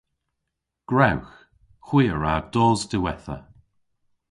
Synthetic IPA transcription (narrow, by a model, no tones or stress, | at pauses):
ɡ̥ɹawx | xwiːəɹad̥ɔːzdɪwɛθə̰